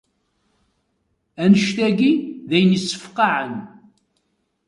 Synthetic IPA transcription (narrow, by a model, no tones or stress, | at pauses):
ænəʃt̪æɡiðæjənjisːə̥fqɑʕən